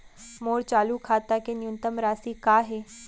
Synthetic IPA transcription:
moɽt͡ɕalukʰat̪akenjunt̪əmɾasiːkaɦe

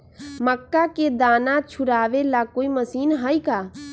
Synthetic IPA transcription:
məkːaked̪aːnãt͡ʃʰʊɾaːʋelakoːiməsiːnɦəjkaː

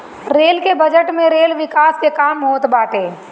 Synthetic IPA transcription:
ɾeːlkebɐd͡ʒəʈmẽɾeːlʋɪkaːskekaːmɦoːt̪baːʈeː

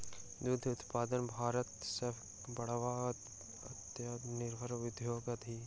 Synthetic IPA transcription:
d̪ud̪ʱʊt̪paːd̪ənbʱaːɾət̪sɪpʰ | bɐɽʋaː | ɐt̪nɪɾbʱəɾʋɪd̪ʱjoːɡɐd̪ʱiː

